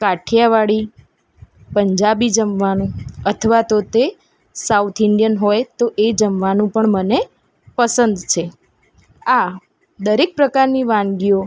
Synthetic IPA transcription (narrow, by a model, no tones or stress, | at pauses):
kaʈʰjaʋaɭi | pəɲd͡ʒabid͡ʒəmʋanũət̪ʰəʋat̪ot̪e | saut̪ʰɪɳɖijənɦojt̪oʔed͡ʒəmʋanũpəɳməne | pəsənd̪t͡ʃʰe | a | d̪əɾek̚pɾəkaɾniʋãnɡio